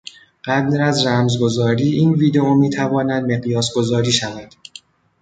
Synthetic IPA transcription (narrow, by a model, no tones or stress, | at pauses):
ɢ̥æd̪ɾæzræmzɡo̞zɒːɾiːʔiːnviːd̪e̞omiːt̪ʰævɒːnæd̪̚me̞ɣjɒːsɡo̞zɒːɾiːʃævæd̪̥